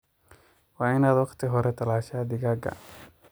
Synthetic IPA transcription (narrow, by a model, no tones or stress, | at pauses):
wɑːɪnaːd̪wɑqt̪ʰɪɦɔɾɛt̪ʰɐlaːʃaːd̪ɪɣaːɡɐ̰